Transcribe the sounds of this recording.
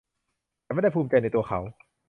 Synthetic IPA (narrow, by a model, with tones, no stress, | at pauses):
a˧˩ma˥˩da˥˩pʰuː˧mt͡ɕa˧jna˧jt̪u˧ɐxʰa˩˦w